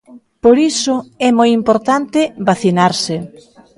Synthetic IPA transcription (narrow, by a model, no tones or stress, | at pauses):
poɾisʊɛmojimpoɾt̪ant̪ɪβaθinaɾsɪ